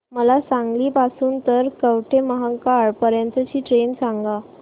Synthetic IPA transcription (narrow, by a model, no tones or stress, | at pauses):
məlasãŋɡliːpasuːnt̪əɾkəʋʈʰeməɦakaɭpəɾjãnt̪ət͡ɕiːʈɾensãŋɡa